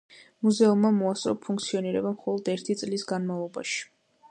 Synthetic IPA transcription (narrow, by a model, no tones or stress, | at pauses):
muzɛumːamɔasʼɾɔpʰuŋkt̪sʰiɔniɾɛbamχɔlˠɔd̪ɛɾt̪ʰit̪sʼlisɡanmavlˠɔba̰ʃi̥